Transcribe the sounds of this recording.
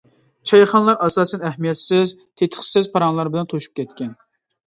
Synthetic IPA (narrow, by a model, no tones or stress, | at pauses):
t͡ʃʰɑjχɑnlˠɑɾɑsɑːsɛnɛhmijɛt̪sɪz | t̪ʰet̪ʰə̥χsɪzpʰɑɾɑŋlˠɑɾbɪlɛnt̪ʰoʃu̥p̚kʲʰɛt̪̚kʲɛn